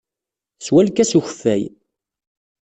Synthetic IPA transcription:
swælkæsuç̥fːæ̰j

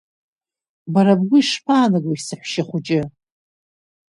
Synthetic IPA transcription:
baɾabɡʷʊiʂpʰaːnɨɡoisɨħʷʃɪχʷʊt͡ʃʼɪ

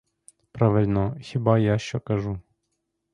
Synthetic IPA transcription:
pɾaʋɪlʲnɔxʲɪbajaʃt͡ʃɔkɐʐu

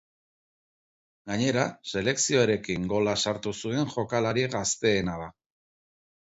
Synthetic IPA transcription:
ɡaɲe̞ɾase̞le̞ksio̞eɾe̞kiŋɡo̞lasaɾt̪usue̞ŋʝo̞kalaɾiɣast̪e̞ːnaða

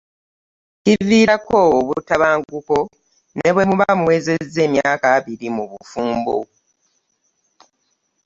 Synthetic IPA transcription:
civiːɾakooβutaβaːŋɡuko̞ | ne̞βwe̞muβamuwe̞ːze̞zːe̞ːmjaːkaːβiɾimuβṵfuːmbo̰

